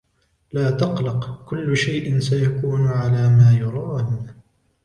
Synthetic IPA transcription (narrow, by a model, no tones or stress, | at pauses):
laːt̪ɑqlɑqkʊlːʊʃajʔɪnsajakuːnʊʕalaːmaːjʊɾˤɑːn